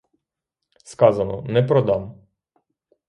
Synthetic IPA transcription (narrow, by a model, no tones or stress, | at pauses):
skɑzɐnɔ̰nɛpɾɔd̪ɑm